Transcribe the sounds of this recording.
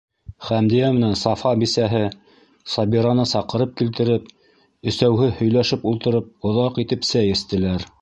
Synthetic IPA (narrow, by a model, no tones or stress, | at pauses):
χæmd̪ijæmɘ̆nænsɑfɑbisæɦɘ | sɑbiɾɑnɤsɑqɤ̆ɾɤp̚kilt̪ɘ̆ɾɘp | ɵ̆sæwɦɘhɵ̆jlæʃɘpulˠt̪ɤ̆ɾɤp̚ŏðɑqit̪ɘpsæjɘ̆st̪ɘ̆læɾ